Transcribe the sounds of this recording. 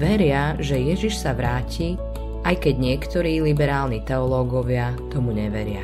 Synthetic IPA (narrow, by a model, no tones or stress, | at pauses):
ʋɛɾɪaʒɛjɛʒiʃsaʋɾaːciː | ʔajkɛɟɲɪɛkt̪ɔɾiːlibɛɾaːlnit̪ɛɔlɔːɡɔʋɪat̪ɔmuɲɛʋɛɾɪa̰